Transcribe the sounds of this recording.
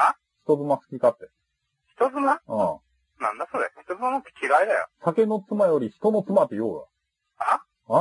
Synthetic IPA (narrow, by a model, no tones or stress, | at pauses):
a | çi̥t̪o̞zɨmasɨ̥kʲikat̪ːe | çi̥t̪o̞zɨmaãː | nã̰nd̪asoːd̪eçi̥t̪o̞zɨmanakt̪ːe̥kʲiɾaid̪ajo̰sake̞no̞t͡sɨmajo̞ɾʲiçi̥t̪o̞no̞t͡sɨmat̪ːejoːɡa̰ | a | a